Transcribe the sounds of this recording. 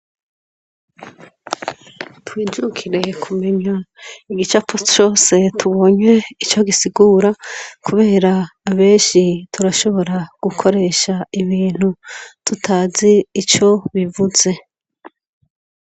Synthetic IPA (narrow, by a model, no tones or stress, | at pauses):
twiːd͡ʒukʰiɾe̞kʰume̞ɲaiɡit͡ʃaput͡ʃo̞ːse̞tʰuβo̞ːɲe̞it͡ʃo̞ɡisiɡuːɾakuβe̞ːɾaːβe̞ːnʃitʰuɾaʃo̞βo̞ɾaɡ̥ukʰo̞ɾe̞ːʃaiβiːn̥utʰutʰaːziːt͡ʃo̞βivuze̞